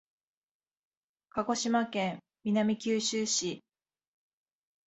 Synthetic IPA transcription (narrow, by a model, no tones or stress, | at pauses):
kaɡo̞ɕimakẽm | mʲinamʲikʲɨːɕɨːɕi